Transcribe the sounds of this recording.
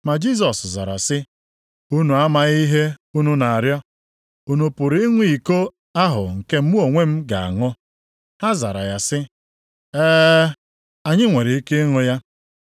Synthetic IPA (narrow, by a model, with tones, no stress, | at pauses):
ma˨d͡ʒi˦s̬ɔ˨sza̰˨ɾa̰˨sɪ˦ | u˦nu˨a˦ma˨ɣi˦ɦe˦u˦nu˦na˨a˨ɾjɔ˦ | u˦nu˨pʊ˨ɾi˦ŋʷi˨ko˦ | a˦ɦʊ̰˨ŋ̩˨ke˦m̩˦mu˦o˨ŋʷe˦m̩˦ɡa˨a̰˨ŋʊ˦ | ha˦za̰˨ɾa̰˨ja˨sɪ˦ | ɛː˦ | a˨ɲɪ˦ŋʷe˨ɾi˨i˦ke˦ŋʊ˦ja˦